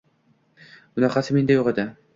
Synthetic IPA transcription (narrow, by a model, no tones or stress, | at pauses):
bʊnæqɑsɪmend̪ajoʁed̪ɪ